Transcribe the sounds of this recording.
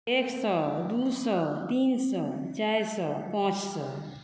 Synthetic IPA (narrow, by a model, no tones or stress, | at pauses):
eksʌd̪usɔt̪insɔt͡ʃajɾsʌpãt͡ʃsʌ̰